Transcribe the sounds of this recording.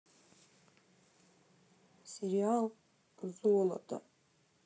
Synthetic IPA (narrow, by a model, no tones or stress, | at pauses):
seɾialˠ | rzuɔla̰tʰʼa̰